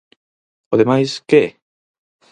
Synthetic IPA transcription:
oðemajske

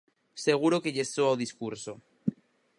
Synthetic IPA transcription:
se̞ɣ̞uɾokeʎestoawðiskuɾso

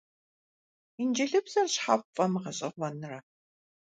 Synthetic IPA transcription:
ind͡ʒɐɮɨbz̥ɐrɕħaːpfʼɐmɨʁɐɕʼɐʁʷɔnɨrɐ

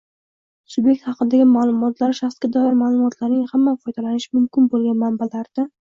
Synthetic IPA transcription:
sʊbje̞k̚ʲt̪hɑqɨd̪aɡʲɪmaːlˠʊmɒt̪laɾʃaχskʲad̪ɒjɪɾmaːlˠʊmɒt̪ʰlaɾnɪŋhamːafɒjd̪alanɪʃɪmʊmkʲʰɪnbolˠɡʲanmanbalaɾd̪̥a

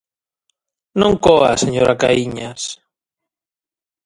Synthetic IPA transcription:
nõŋkɔa̰seɲoɾaka̰iɲas

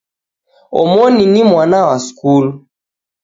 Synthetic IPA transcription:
ɔ̰mɔninimwanawaskul

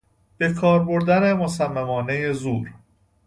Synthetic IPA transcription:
b̥e̞kʰɒːɾbo̞ɾd̪æne̞mosæmːæmɒːne̞jezuːɾ

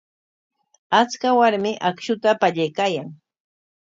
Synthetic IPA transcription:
at͡skawaɾmɪʔakʃʊt̪apaʎajkaːjaŋ

